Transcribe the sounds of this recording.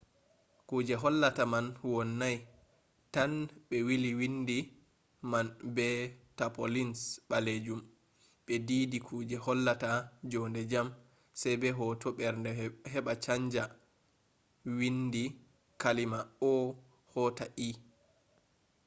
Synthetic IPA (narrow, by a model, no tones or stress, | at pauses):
kuːd͡ʒɛɦɔlːatamanwɔnːaj | tanɓɛwiliwindi | manbɛtapolinsɓaled͡ʒum | ɓɛdidikʰuːd͡ʒɛhɔlːatad͡ʒɔndɛd͡ʒam | sɛjbɛɦɔtʰɔɓɛɾndɛhɛɓat͡ʃaɲd͡ʒa | windi | kalimaɔ | hɔtaʔi